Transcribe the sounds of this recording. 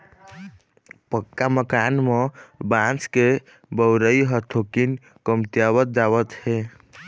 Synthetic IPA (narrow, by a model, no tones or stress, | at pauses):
pəkːaməkanmebãt͡ʃke | bəwɾəjɦət̪ʰokin | kəmt̪jawət̪̚d͡ʒawət̪he